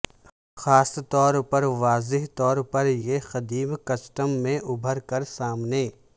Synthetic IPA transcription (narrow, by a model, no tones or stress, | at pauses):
xaːst̪ɔːɾpɐɾʋaːzɪɦt̪ɔːɾpɐɾjexɐd̪iːbkɐsʈəmːẽʔʊbʱəɾkɐɾsaːmneː